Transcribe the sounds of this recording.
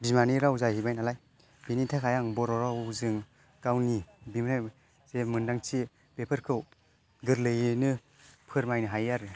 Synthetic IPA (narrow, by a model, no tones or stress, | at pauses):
bimaniɾawzajhibajnalaj | b̥enitʰakʰajaŋbɔɾɔɾawzɯŋ | ɡ̥awnibimɾa | zemɯndaŋt͡ʃʰi | bepʰɯɾkʰɯw | ɡɯɾlɯjnɯ | pʰɯɾmajnɯɦajaɾ